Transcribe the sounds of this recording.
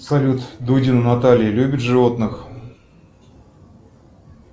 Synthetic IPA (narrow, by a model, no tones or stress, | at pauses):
sɐlʲut̪d̪udʲinɨnat̪alʲɪjəlʲubʲɪt̪ʐɨvo̞t̪nɨx